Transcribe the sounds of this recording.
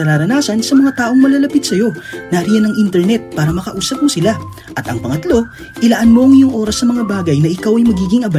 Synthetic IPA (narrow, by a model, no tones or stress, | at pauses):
ɐɾaːɾɐnaːsɐnsɐmɐŋat̪aːʔo̞ŋmɐlɐlɐpit̪̚sɐjo̞nɐʔɾijɐnɐŋʔint̪ɛɾnɛt̪̚paːɾɐmɐkɐʔuːsɐp̚mosɪla | ʔɐt̪ɐŋpɐŋɐt̪lo̞ | ʔɪlɐʔanmoɐŋɪjoŋʔo̞ːɾɐsnɐmɐŋabaːɡɐjnɐʔɪkawɐjmɐɡiːɡɪŋʔɐba